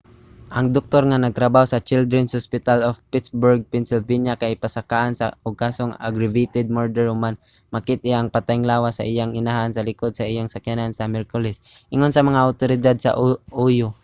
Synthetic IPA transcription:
ʔɐŋd̪ok̚t̪oɾŋanɐɡ̚t̪ɾɐbahosɐt͡ʃɪld̪ɾɛnsʊspɪt̪alofpɪt̪sbʊɹɡ̚pɛnsɪlvinjakajpasakaʔansa̰ʊɡ̚kasoŋa̰ɡɾɪvit̪ɛd̪̚moɹd̪ɛɹʊman | makɪt̪̚ɪʔaŋpat̪ajŋlaːwasa̰ʔɪjaŋɪnahansɐlɪkod̪̚saʔɪjaŋsakjanansamɛɾkʊlɛsʔɪŋonsɐmɐŋaʔʊt̪oɾɪd̪ad̪̚sa̰ʔujʊ

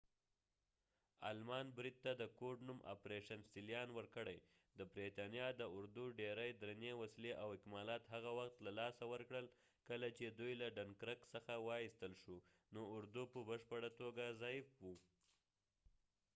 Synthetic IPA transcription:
a̰lmɑnbɾid̪̚t̪ad̪əkoɖnumʔa̰pɾeʃansilijɑnwəɾkəɽəj | d̪əbɾet̪ɑnjɑd̪əʊɾd̪uɖeɾəjd̪ɾanewasileʔawɪkmɑlɑt̪ɦaɣawaxt̪lalɑsawəɾkɽəl | kəlat͡ʃed̪ujlaɖankɾəksəxawɑist̪əlʃu | noʊɾd̪upəbəʃpəɽat̪oɡazɑjɪfwu

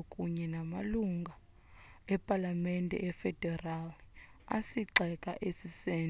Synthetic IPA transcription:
kʼuɲɛnamaluŋɡʱa | ɛpʼalamɛntʼɛ̰ʔɛfɛd̥ʱɛral | a̰siǀɛkʼa̰ʔesisɛːn

